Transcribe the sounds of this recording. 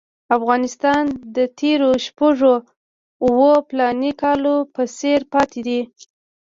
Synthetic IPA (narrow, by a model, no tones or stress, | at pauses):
afɣɑnɪst̪ɑnd̪ət̪ʰeɾoʃpaʐo | uwoplɑnikɑlopəseɾpɑt̪ʰed̪i